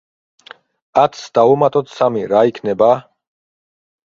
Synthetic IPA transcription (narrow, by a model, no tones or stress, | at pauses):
at̪ʰsd̪̥aumat̪ʼɔt̪ʰsamiɾaikʰnɛba